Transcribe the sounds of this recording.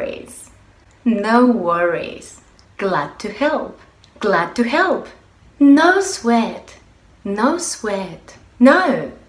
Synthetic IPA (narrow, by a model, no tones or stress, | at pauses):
ḭz̥ | noʊwɜɹḭz̥ | ɡ̥læd̚tʰɨhɛlˠp | ɡ̥læd̚tʰɨɦɛlˠp | noʊswɛt | noʊswɛt | noʊ